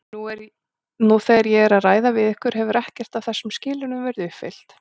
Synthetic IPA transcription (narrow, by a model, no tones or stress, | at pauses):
nuɛɾ | nuθɛaɾjɛɛɾaðraːjðavɪðɪhkʏɾ̥ɦɛvʏɾɛhcɛr̥t̪avθɛsːʏmscɪːlɪnʏmvɛɾɪðʏhfɪ̰l̥t̪